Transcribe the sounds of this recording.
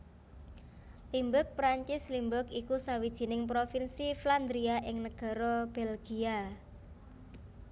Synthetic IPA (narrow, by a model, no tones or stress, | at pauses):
limbʊk̚pɾaɲt͡ʃɪslimbʊkikusawid̥ʒ̥i̤nɪŋp̬ɾofinsifland̪ɾiaʔɪŋnəɡ̥a̤ɾɔb̥ɛlɡ̥ia